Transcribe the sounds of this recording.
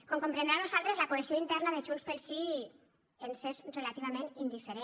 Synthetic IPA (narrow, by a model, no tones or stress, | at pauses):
koŋkompɾend̪eɾanusalt̪ɾezlakoesioint̪ɛɾnaðet͡ʃunspelsi | ensesrelat̪iβ̞amẽnind̪ifeɾe